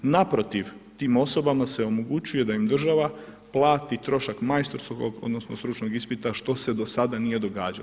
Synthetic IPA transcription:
napɾo̞t̪iʋt̪iːmo̞so̞bamase̞o̞mo̞ɡut͡ʃuje̞d̪aimd̪r̩ʒaʋa | plˠaːt̪it̪ɾo̞ʃakmajst̪oɾskoɡo̞̰d̪nosnost̪ɾut͡ʃno̞ɡispit̪aʃt̪o̞se̞d̪o̞sad̪anije̞d̪o̞ɡaːd͡ʒa

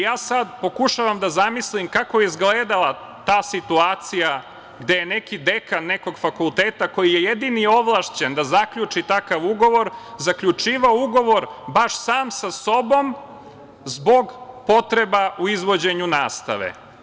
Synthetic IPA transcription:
jaːsad̪po̞kuʃaʋamd̪azamislimkako̞jezɡleːd̪alˠa | t̪aːsit̪uaːt̪sija | ɡd̪e̞jenekid̪ekanːeko̞ɡfakulˠt̪eːt̪ako̞jijejed̪inio̞ʋlˠaʃt͡ɕend̪azakʎut͡ʂit̪akaʋuɡo̞ʋo̞ɾzakʎut͡ʂiːʋaouɡo̞ʋo̞ɾbaʃsaːmsaso̞bo̞m | zbo̞ɡpo̞t̪ɾe̞bauizʋo̞d͡ʑe̞ɲunaːst̪a̰ʋḛ

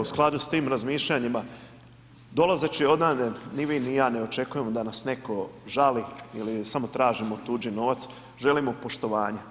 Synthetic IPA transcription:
usklˠad̪ust̪iːmɾazmiːʃʎaɲima | d̪o̞lˠazet͡ʃieo̞d̪namnenniʋinijaːneo̞t͡ʃe̞kuje̞mod̪anasne̞ko̞ʒaliilisamo̞t̪ɾaːʒimot̪uːd͡ʒino̞ʋat̪s | ʒe̞limo̞po̞ʃt̪o̞ʋaːɲe

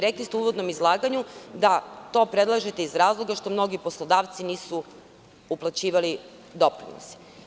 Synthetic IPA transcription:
ɾeklist̪euʋo̞d̪no̞mizlˠaːɡaɲud̪at̪o̞ːpɾe̞d̪lˠaʒet̪eizɾaːzlˠo̞ɡaʃt̪o̞mno̞ɡipo̞slˠod̪aːʋt̪siniːsu | uplˠat͡ɕiːʋali | d̪o̞pɾḭno̰si̥

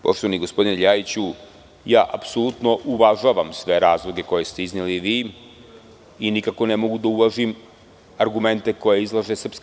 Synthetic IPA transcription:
po̞ʃt̪oʋaniɡospo̞d̪ineʎajit͡ɕu | jaːʔapsolˠut̪no̞ʔuʋaʒaːʋamsʋe̞ɾaːzlˠoɡe̞ko̞je̞st̪e̞izniliʋiː | inikako̞nemo̞ɡud̪auʋaʒim | aɾɡume̞nt̪e̞ko̞jeizlˠaʒe̞sr̩psk

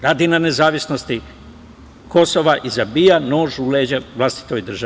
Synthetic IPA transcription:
ɾaːd̪inanezaːʋisno̞st̪i | ko̞so̞ʋaʔizabiːjano̞ːʒuleːd͡ʑaʋlˠast̪i̥t̪o̞jd̪r̩ʒa

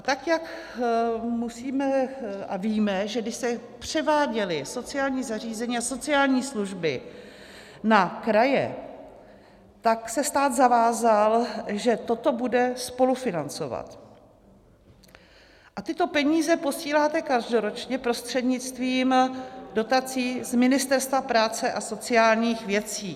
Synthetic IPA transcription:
at̪akjak | musiːmɛʔa̰viːmɛʒɛɡdɪʃst̪ɛpr̝̥ɛvaːɟɛlɪso̞t͡sɪjaːlɲiːzar̝iːzɛɲiːaso̞t͡sɪaːlɲiːsluʒbɪ̰ | nakɾajɛ̰ | t̪aksɛst̪aːd̪zavaːzalʒɛt̪o̞t̪o̞budɛspo̞lufɪnant͡so̞̰va̰t̪ | ʔat̪ɪt̪o̞pɛɲiːzɛpo̞siːlaːt̪ɛkaʒdo̞ɾo̞t͡ʃɲɛpɾo̞st̪r̝̥ɛdɲɪt͡st̪viːmdo̞t̪at͡siːzmɪnɪst̪ɛɾst̪vapɾaːt͡sɛʔaso̞t͡sɪaːlɲiːxvjɛt͡siː

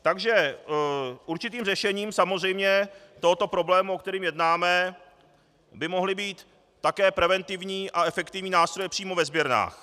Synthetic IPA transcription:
t̪aɡʒɛ | ʔuɾt͡ʃɪt̪iːmrɛʃɛɲiːmsamozr̝ɛjmɲɛt̪o̞ɦot̪o̞pɾo̞blɛːmuok̚t̪ɛɾiːmjɛdnaːmɛ | bɪmo̞ɦlɪbiːt̪ː | akɛːpɾɛvɛnt̪ɪvɲiːʔaɛfɛkt̪ɪvɲiːnaːst̪ɾo̞jɛpr̝̥iːmo̞vɛzbjɛɾna̰ːx

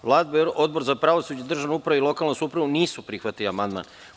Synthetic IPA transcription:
ʋlˠaːd̪bo̞d̪̚bo̞ɾzapɾaʋosud͡ʑad̪r̩ʒaʋnoupɾaʋeilˠo̞kalnosuːpɾaʋuniːsupɾixʋat̪iliamand̪ma̰n

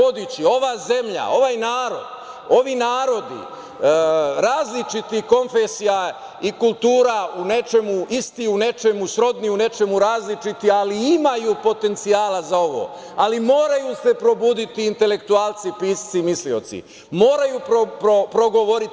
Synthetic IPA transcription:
od̪it͡ɕio̞ʋaːze̞mʎa̰o̞ʋajnaːɾo̞̰d̪̥ | o̞ʋinaːɾo̞d̪ḭ | ɾaːzlit͡ʃit̪iko̞nfesija | ikulˠt̪uːɾaunet͡ʃe̞muist̪iune̞t͡ʃe̞musɾo̞d̪niune̞t͡ʃe̞muɾaːzlit͡ʃit̪ialiimajuːpo̞t̪e̞nt̪sijaːlazao̞ʋo̞̰ː | alimo̞ːɾajuse̞pɾo̞buːd̪it̪iːnt̪e̞le̞kt̪uaːlˠt̪sipiːst̪simislio̞̰t̪sḭ | mo̞ːɾajuːppɾopɾo̞ɡo̞ʋo̞ɾit̪

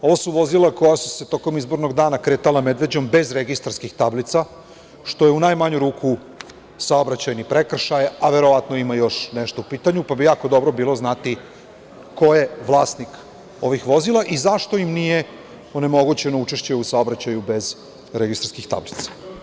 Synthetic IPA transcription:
o̞ʋosuʋo̞zilˠako̞jasu̥se̞t̪o̞ko̞mizbo̞ɾno̞ɡd̪aːnakɾe̞ːt̪alamed̪ʋe̞d͡ʑo̞mbe̞zɾeɡist̪aɾskixt̪ablit̪sa | ʃt̪o̞jeunajmaɲuɾuːkʰu | sao̞bɾat͡ɕajnipɾe̞kr̩ʃajaʋe̞ɾoʋat̪no̞imajo̞ʃneʃt̪oupiːt̪aɲupabijaːkod̪o̞bɾo̞biːlˠo̞znat̪i | ko̞je̞ʋlˠaːst̪nik | o̞ʋixʋo̞zilˠaʔizaʃt̪o̞imnije̞ | one̞mo̞ɡut͡ɕe̞nout͡ʃe̞ʃt͡ɕeusao̞bɾat͡ɕajube̞z | ɾeɡist̪ɾskixt̪a̰blit̪sḁ

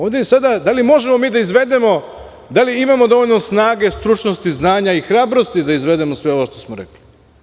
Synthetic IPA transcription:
oːʋd̪esad̪ad̪alimo̞ʒemo̞miːd̪aizʋe̞d̪e̞mo̞ | d̪aliimamo̞d̪o̞ʋo̞ʎno̞snaːɡe̞st̪ɾut͡ʃno̞st̪iznaːɲaixɾaːbɾo̞st̪id̪aizʋe̞d̪e̞mo̞sʋe̞o̞ʋoʃt̪o̞smoɾḛkli

